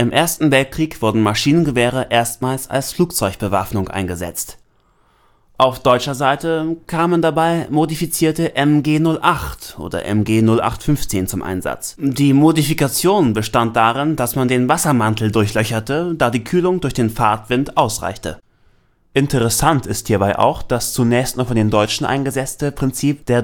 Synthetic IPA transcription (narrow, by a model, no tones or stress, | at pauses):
ʔɪmʔeːɐstn̩vɛlt̚kʁ̥iːkv̥ʊɐdn̩maʃiːnənɡəvɛːʁ̞əʔeːɐstmaːlsa̰lsfluːk̚t͡sɔʏçb̥əva̰fnʊŋʔa̰ɪnɡəzɛ̰t͡st | ʔaʊfd̥ɔʏt͡ʃɐzaɪtəkʰaːməndabaɪmodifit͡siːɐtəʔɛmɡeːnʊlʔaχtʔo̰ːdɐ̰ʔɛ̰mɡeːnʊlʔa̰χtfʏnft͡seːnt͡sʊmʔa̰ɪnza̰t͡sdiːmodifikat͡sjoːnbəʃtant̚d̥aːʁɪndasmandeːnvasɐmantʰl̩dʊɐçlœçɐtədaːdiːkʰyːlʊŋdʊɐçd̥eːnfaɐtv̥ɪntʔaʊsʁa̰ɪçtə̰ | ʔɪntʰəʁ̞ɛsantɪsthiːɐbaɪʔa̰ʊxd̥ast͡sunɛːçstnɔfɔndeːndɔʏt͡ʃn̩ʔa̰ɪnɡəzɛt͡stəpʁ̥ɪnt͡siːp̚d̥eːɐ